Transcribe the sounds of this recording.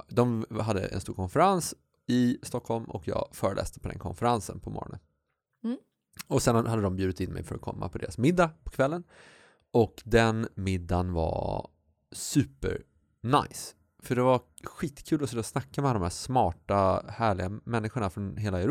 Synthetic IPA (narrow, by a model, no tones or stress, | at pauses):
d̪ɔmɦad̪ːə̰ʔɛ̰nst̪uːɾkʰɔnfəɾans | ɪst̪ɔkhɔlmɔ̰kʰjɑ̰ːɡfœːɾəlɛ̰ːst̪ə̥pʰɔd̪ɛ̰nkʰɔ̰nfəɾansə̰npʰɔmɔ̰ɾɔ̰nə̰n | ɔsɛnhad̪ːəd̪ɔmbjʉːd̪ɪt̪ɪnmɛ̰jfœɾɔ̰kʰɔ̰mːa̰pʰɔd̪ḛːɾasmɪd̪ːapʰɔ̥kʰvɛlːən | ɔkd̪ɛnmɪd̪ːanva̰ | sʉ̟ːpə̰ɾ | ɳa̰js | fœɖɛva | ɧiːt̪kʰʉ̟ːlɔseːd̪ɔsnakːamɛald̪ɔmhæːʂmɑːʈahæːɭɪɡamɛnːɪɧʊɳafɾɔnɦeːlaɛɾ